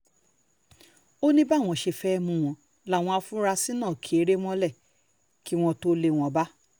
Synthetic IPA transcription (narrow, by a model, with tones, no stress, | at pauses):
o˦nĩ˦ba˦˨w̃ɔ̃˧˨ʃe˧fɛ˦˧mũ˧w̃ɔ̃˧ | la˦˨w̃ɔ̃˧a˧fũ˦ɾa˧si˦nãː˦˨kʰi˨e˨˦ɾe˦w̃ɔ̃˦lɛ˦˨ | ki˨˦w̃ɔ̃˧to˦le˧˨w̃ɔ̃˧ba˦